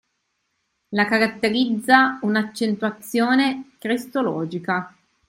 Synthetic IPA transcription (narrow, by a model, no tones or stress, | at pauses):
lakaɾat̪ːeɾid̪zːaunat͡ʃːent̪wat̪sːjoːnekɾist̪olɔːd͡ʒika